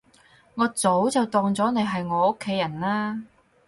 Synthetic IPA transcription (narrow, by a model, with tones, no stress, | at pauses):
ŋɔː˨˧t͡so˨˥wt͡sɐ˨wt̪ɔː˨ŋt͡sɔː˨˥ne˨˧jɦɐ˨jŋɔː˨˧ʊ˥kʰːe˨˥jɐ˨˩nlaː˥